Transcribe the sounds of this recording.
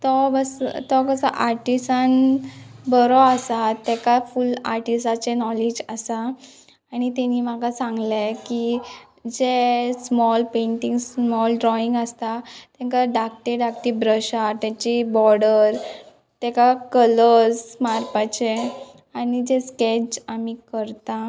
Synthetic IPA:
t̪ɔbəst̪ɔkəsa̰ʔaɾʈisan | bəɾɔasat̪ɛkafulaɾʈisat͡ɕenɔlid͡ʑasaː | ñit̪ɛniːm̤aɡasãŋɡleki | d͡ʑesmɔlpẽɳʈiŋɡsmɔlɖɾɔiŋɡəst̪at̪ɛ̃ŋkaɖak̚ʈeɖakʈ̪ibɾəɕat̪at͡ɕibɔɽəɾ | t̪ɛkakələsmaɾpat͡ɕe | anid͡ʑesked͡ʑamikəɾt̪a

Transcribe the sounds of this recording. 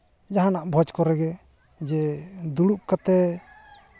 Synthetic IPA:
d͡ʒaɦanaʔbʱɔd͡ʒkɔɾɛɡɛ | d͡ʒɛd̪uɽup̚kat̪ɛ

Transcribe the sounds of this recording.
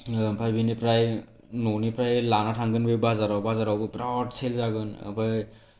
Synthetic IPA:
apʰajbinipɾaj | nonipɾajlanatʰaŋɡɯnbɯbazaɾawbazaɾawbɯpɾawtselzaɡɯn̰pʰaj

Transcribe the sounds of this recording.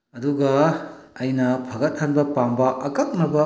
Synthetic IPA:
ɐduɡɐɐjnɐpʰɐɡɐt̚hanbɐpambɐʔɐkɐk̚nɐbɐ

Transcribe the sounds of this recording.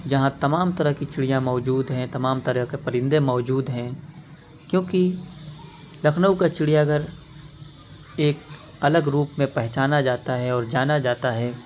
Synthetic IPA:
d͡ʒɐɦãt̪ɐmaːmt̪ɐɾəɦkit͡ʃɪɽijãmɔːd͡ʒuːd̪ɦɛ̃t̪ɐmaːmt̪ɐɾəɦkepɐɾɪ̃nd̪emɔːd͡ʒuːd̪ɦɛ̃ | kjõːki | lɐkʰnəwkat͡ʃɪɽijaɡʱəɾ | eːk | ɐləɡɾuːpmẽpɛɦt͡ʃaːnad͡ʒaːt̪aɦɛɔːɾd͡ʒaːnad͡ʒaːt̪aɦɛː

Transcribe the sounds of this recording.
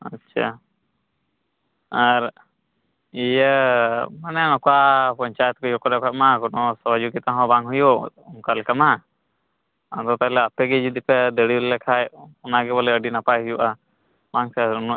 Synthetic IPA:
atːt͡ʃʰa̰ | aɾ | ijə | manɛnɔkwapɔɲt͡ʃajɛt̪̚kɔjɔkɔɾɛkʰat̪̚makɔnɔsɔbad͡ʒukit̪aɦɔ̃baŋɦujuuŋkalkama | and̪ɔt̪alɛapɛɡɛd͡ʒud̪ipɛd̪əɽibllɛkʰajɔnaɡɛbɔlɛəɖinapajɦujuʔa | baŋsɛnu

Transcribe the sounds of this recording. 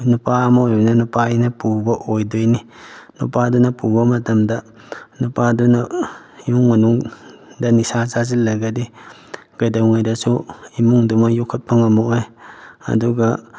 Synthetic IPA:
nupamaojbɐnɐnupainɐpubɐʔojdojninṵpadunɐpubɐmɐtɐmdɐ | nupadunɐ | juŋmɐnuŋdɐnisazazilːaɡadi | ɡ̥ajdawŋajdɐsuimuŋdumɐjukʰut̚paŋamoojɐ̰duɡa

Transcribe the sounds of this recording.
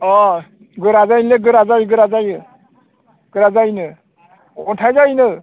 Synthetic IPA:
ɔ | ɡɯɾazajnleɡɯɾazajɡɯɾazajɯ | ɡ̥ɯɾazajnɯ | ɔtʰajzajnɯ

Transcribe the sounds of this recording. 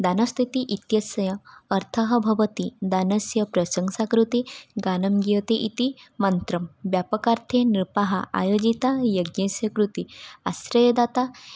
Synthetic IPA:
d̪anəst̪ʰit̪iʔit̪jɐsɐjɐːɾt̪ʰɐɦɐbʱɐʋət̪id̪anɐsjɐpɾɐsəŋɡsakɾut̪iɡanɐmɡit̪eʔit̪imənt̪ɾɐmʋjapəkaɾt̪ʰeniɾpaɦaa̰jod͡ʑit̪ajɐɡjẽsjɐkɾut̪iaɕɾɐjɐd̪at̪a

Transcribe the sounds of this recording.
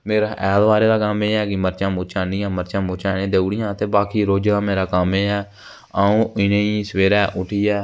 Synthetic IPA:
meːɾaːʔɛːlʋaːɾeːd̪aːkameːɛːkɪməɾt͡ʃãːmʊːt͡ʃãːniːãːməɾt͡ʃãːmʊɾt͡ʃãːnẽːd̪eːuːɽɪjãːt̪eːbaːkiːɾoːd͡ʒaːmeːɾaːkameːɛː | aːũːɪnẽːiːsʋeːɾɛːʔʊʈʰiːɛː

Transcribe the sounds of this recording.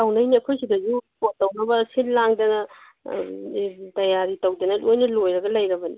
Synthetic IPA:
awnɐjniɐkʰojsidɐzupotːawnɐbɐsillaŋdɐnɐ | tɐjaɾitɐwdɐnɐlojnɐlojɾɐɡɐlɐjɾɐbɐni

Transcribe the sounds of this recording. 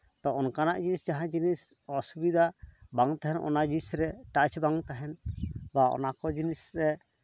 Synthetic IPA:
t̪ɔɔnkanaʔd͡ʒinisd͡ʒaɦãd͡ʒinisɔsubid̪ʱabaŋt̪aɦɛnɔ̰nad͡ʒinisɾɛʈat͡ʃbaŋt̪aɦɛnbaɔ̰nakɔd͡ʒinisɾɛ

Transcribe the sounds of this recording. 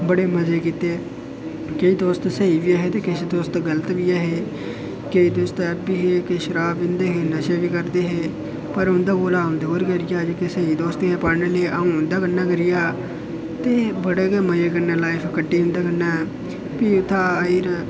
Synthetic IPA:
bəɽeːməzeːkiːt̪eː | keiːd̪oːst̪səiːʋiːəːɦeːt̪eːkɪʃd̪oːst̪ɡələt̪ʋiːaɦeː | keiːd̪oːst̪ɛːbiːɦeːkeʃəɾaːbɪnd̪eːɦeːnəʃeːʋiːkəɾd̪eːɦeː | pəɾʊnd̪aːɡoːlaːʊnd̪oːɾkəɾɪjaːd͡ʒkesəiːd̪oːst̪eɛːpaːɾneːleːʔəũːʊnd̪aːkənːaːkəɾɪjaː | t̪eːbəɽeːkeːməjeːkənaːlaːɪpʰkəʈːiːɦʊ̃nd̪aːkənːaːɛː | piːʊt̪ʰːaːiɾ

